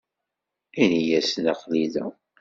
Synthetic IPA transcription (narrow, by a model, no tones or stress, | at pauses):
inijæsnaqliðæ̰